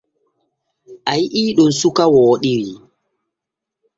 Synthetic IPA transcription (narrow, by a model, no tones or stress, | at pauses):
ʔajiʔiːɗɔnsukawɔːɗiɾi